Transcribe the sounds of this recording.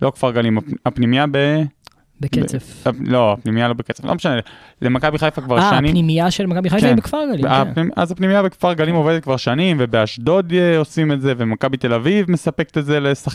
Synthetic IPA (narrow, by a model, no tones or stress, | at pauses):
lo̞kfaʁɡalimaapnimijabe | bekeefalo̞apnimijalo̞beket͡seflo̰meʃanelemakabiχajfakvaʁʃanimnimiaʃelmakabiχajkeaibekfaʁɡaliaimʔa̰zapnimijabekfaʁɡalimo̞vedet̪̚kvaʁʃanimve̞be̞aʃdo̞d̪eo̞sime̞tze̞vemakabit̪e̞lavivme̞sape̞kt̪etzelesa